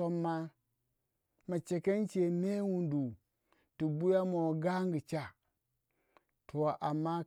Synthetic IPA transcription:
o˦mːa˦ | ma˨t͡ʃe˨ke˦n˦t͡ʃe˨me˦wu˨ndu˨ | ti˨bu˦ja˦mo˨ɾo˨ɡa˦ŋɡi˨t͡ʃa˦ | tʰo˨ʔa˨mːa˦

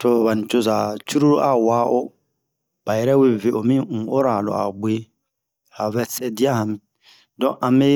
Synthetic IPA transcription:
to˨βa˨n̩˨t͡ʃo˦za˨t͡ʃu˦ɾu˦ɾo˦ʔa˨waː˦ʔo˦ | b̥a˨jɛ˦ɾɛ˦we˦˨ve˨ʔo˨mĩ˦ŋ̩˨o˦ɾa˨lɔ̰˨ʔa̰˨ɡ͡beː˦ | a˨vɛ˨sɛ˦di˦a˦hã˨mĩ˨ | dɔ̃˦˨ʔa˨me˦

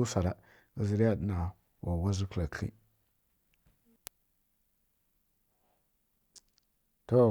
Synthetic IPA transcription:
u˦sa˨ɾa˨ | ɡə˦zi˨ɾi˦ja˦ɗə˦na˨ | wa˨wa˦zi˦kla˨kḭ˦ | to˦˨

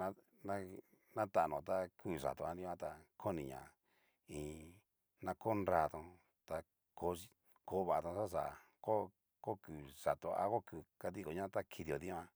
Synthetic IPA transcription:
ã˦ | nã˦ | nã˦t̪a˧ʔnõ˨t̪a˧kʰuː˦˨ʂa̰˨t̪o˧a˧nĩ˦ã˦t̪a˧kʰo˦nĩ˨ɲã̰˨ | ĩː˧ | nã˧ko˦nɾɾa˧t̪õ˧ | t̪a˧ | ko˨˦i˦˧ | ko˦βa˧˨a˧t̪õ˧sa˦ʂa˨ | ko˦ | ko˦ku˨ʂa˨t̪o˧a̰˦ko˦ku˨ka˧t̪i˦ko˨ɲã˦t̪a˦kʰi˧ði˧˨o˨ðĩ˦˧ã˧

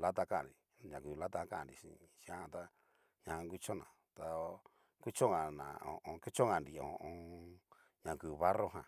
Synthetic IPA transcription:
la˦t̪a˧ka˦˨ndi˨ | ɲã˨ku˧la˦t̪a˧˦ka˦˨ndi˧ʃḭ˧ʃi˧ã˦˧t̪a˦ | ɲã˧ŋɡʷi˦t͡ʃo˦nã̰˨ | t̪a˧ | ku˦t͡ʃo˦ŋã˧nã̰˨õ˨ʔõ˧ke˦t͡ʃo˦ŋã˧ndi˨õ̰˨ʔõ˧ | ɲã˧ku˧βa˦ro˦ɦã˧˨

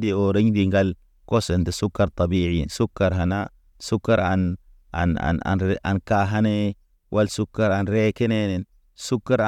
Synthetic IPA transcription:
di˨o˨ɾe˦ɲdi˨ŋɡa˦l | ko˦se˨nte˨su˦kːa˨ɾt̪ɑ˨bi˦ʕi˦jḭ˨nsu˦kːa˨ɾɦa˨na˦ | su˦kːa˦ɾa˨n | a̰˨na̰˨na̰˨nʔa̰˨nka˦ɦa˦ne˦ | wʔa˦lsu˦kːa˦ɾa˨nɾe˦ke˦ne˦ne˨n | su˦kːa˦ɾ

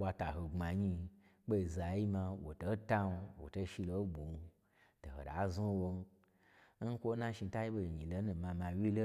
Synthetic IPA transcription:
wʷa˧ta˨ɦo˨ŋ͡ma˨ɲi˧ | ɓo˦i˨za˨ji˦ma˧wo̰˨to˨˦ta˦n˧wo̰˨to˧˦ʃi˧lo˧˦bo˨nu˧ | to˨ho̰˨da̰˨˦zu˦wo˧n˦ | n̩˦kʷo˦nã˦ʃi˧ta˦ji˦bo˧˨ɲĩ˨lo˧˦nũ˧mã˧ma˧wʲi˦lo˦

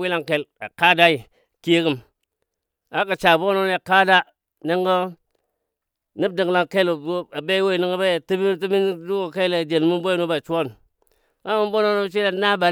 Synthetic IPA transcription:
wi˦la˦ŋke˨la̰˨ka˦da˦i˨ | ki˦e˦ki˦m | a˦ka˨t͡ʃa˨bo˦no˦n˦a˨ka˦da˦ | ni˦ŋɡə˦ | ni˦b̚di˨ŋ˨la˦ŋke˦la˨be˦we˦i˨ni˦ŋə˦ba˦jti˦bi˦ti˦mi˦n˦du˦ko˨ke˦le˨d͡ʒe˨nmu˦nbo˦ji˦nu˦ba˨t͡ʃu˦wo˦n | ŋa˦mu˦mbo˦no˦no˦t͡ʃʷi˦la˦na˦ba˨

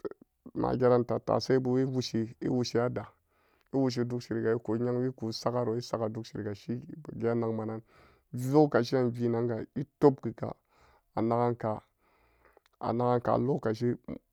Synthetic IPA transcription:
na̰˨ɡʲe˦ɾa˦nta˨ta̰˨sa˦i˦bu˦i˦wu˦ʃi˨ḭ˦wu˨ʃi˦ja˦da˨ | i˦wu˨ʃ̬i˨du˦kʃi˨ɾi˨ɡa˨i˦ku˨˦ɲa˦ŋwi˦ku˨˦sa˦ka˦ɾo˨i˦sa˦ka˨du˦kʃi˨ɾi˨ɡa˨ʃi˦˨ɡi˦a˦na˨ŋma˨na˦n | vu˦ka˨ʃi˦a˦nvi˦na˦ŋɡa˨i˦to˦bɡi˨ka̰˨ | a˨na˦ɡa˦nka˨ | a̰˨na˨ɡa˦nka̰˨lo˦ka˨ʃ̬i˦

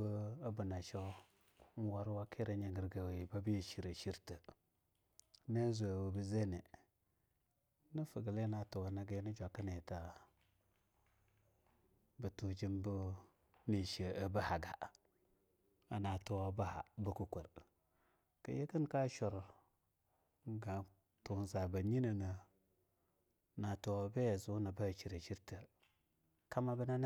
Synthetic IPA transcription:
ə˦a˦bə˨na˨ʃa˦ | n˦wa˦ɾwa˦kʰe˦ɾa˨ɲa˨ɡə˨ɾɡa˨we˨ba˦bi˦jə˨ʃi˨ɾə˨ʃi˦ɾtə˨ | ne˦zʷa˨wə˨bə˨ze˦ne˨ | nə˦fə˨ɡə˨le˦na˨tu˨wa˨na˦ɡe˦ni˦d͡ʒʷa˨kə˦ne˨ta˨ | bə˨tu˨d͡ʒi˦mbu˦ | ni˨ʃə˨ə˨bə˦ha˨ɡa˨ | a˨na˨to˨wa˨ba˦ha̰˨bə˨ku˨kʷə˨ɾ | kə̰˨je˦kə˦nka˦ʃo˨ɾ | ɡa˨ | tu˨n˨za˨ba˨ɲi˦nə˨na˨ | na˨to˨wa˨be˦ja˨zu˦na˨ba˦˨t͡ʃi˨ɾə˨t͡ʃi˦ɾtə˨ | ka˦ma˦bə˦na˦n˦

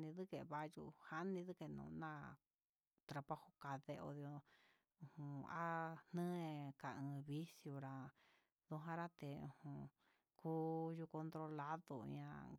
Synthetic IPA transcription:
nĩ˧ðɨ˦ke˨βa˧jṵ˧ha˦nĩ˧ðɨ˦ke˧nṵ̃ː˨˧nã˦˨ | t̪ɾa˧pa˦ho˧ka˧ðe˧o̰˧ðjo˧ | ũ˧hũ˨˧a̰˦nɨ̃˦˧ka˨ɨ̃˧βi˦sjo˧ɾa˧ | ðu˧ɦã˧ɾa˦t̪e˨ṵ̃˨hũ˧ | kuː˦ju˧ko˧nt̪ɾo˧la˦ðo˧ã̰˧

